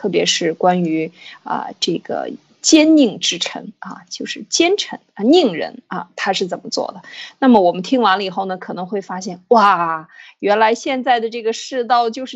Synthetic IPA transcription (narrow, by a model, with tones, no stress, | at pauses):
t̪ʰɤ˥˩pjɛ̰˧˥ʂɻ̩˥˩kwa˥ny˧˥ə̰˧ʈ͡ʂɤ˥˩ɡə̰˩ | t͡ɕjɛ˥nni˥˩ŋʈ͡ʂɻ̩˥ʈ͡ʂʰɤ̰˧˥ŋɐ̰˧t͡ɕjo˥˧ʊʂɻ̩˥˩t͡ɕjɛ˥nʈ͡ʂʰə̰˧˥ŋə˧ni˥˩ŋɻə̰˧˥nə˧t̪ʰa˥ʂɻ̩˥˩t͡sə˨˩nmə˦t͡swɔ̰˥˩d̪ə˩na˥˩mə˩wɔ˨˩mə˦nt̪ʰi˥ŋwa˧˥nlə˧i˨˩xo˥˩ʊnə˩kʰɤ˨˩nɤ˧˥ŋxwe˥˩ɪfa˥ɕjɛ˥˩nwa˥˩ɥɛ˧˥nla˧˥ɪɕjɛ˥˧nt͡sa˥˩ɪd̪ə˩ʈ͡ʂɤ˥˩ɡə˩ʂɻ̩˥˧t̪ɑ˥˧ʊt͡ɕjo˥˧ʊʂɻ̩˥˩